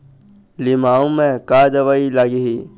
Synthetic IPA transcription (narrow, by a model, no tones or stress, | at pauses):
lɪmaːõmẽkaːd̪əʋaːilaːɡiɦi